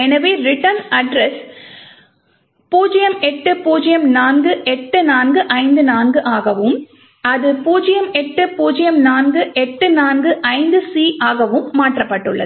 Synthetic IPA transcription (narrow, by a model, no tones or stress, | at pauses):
ɛnɐʋeːɾɪʈɐɾnɐɖɾɛs | puːd͡ʒɐjɐmɛʈːɯpuːd͡ʒɪjɐmnaːnɡɯʔɛʈːɯnaːnɡɯʔɐɪnd̪ɯnaːnɡɯʔaːɣɐʋɯm | ɐðɯpuːd͡ʒɐjɐmɛʈːɯpuːd͡ʒɪjɐmnaːnɡɯʔɛʈːɯnaːnɡɯʔɐɪnd̪ɯsiːʔaːɣɐʋɯmːaːʈrɐpːɐʈːɯɭːɐ̰ð